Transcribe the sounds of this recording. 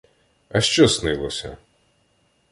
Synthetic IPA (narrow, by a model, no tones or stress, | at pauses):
ɐʃt͡ʃɔsnɪlˠɔsʲɐ̰